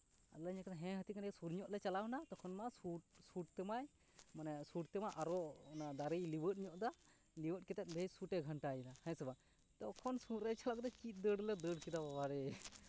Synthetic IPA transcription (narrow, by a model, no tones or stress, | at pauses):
a̰ləɲakɛt̪aɦɛ̃ɦət̪ikansuɾɲɔʔlɛt͡ʃalanat̪ɔkʰɔnmasuʈ̚suʈ̚t̪ɛmaj | manɛsuʈt̪ɛmaʔaɾɔnad̪aɾəjliwət̚ˀɲɔʔd̪a | liwəʈ̚kɛt̪ɛt̪̚ˀbʱejsuʈɛɡʱəɳʈajinahɛ̃sɛba | t̪ɔkʰɔnsuɾɛjt͡ʃʰalɔk̚d̪ɔt͡ʃit̪̚ˀd̪əɖlɛd̪əɽkid̪ababaɾɛ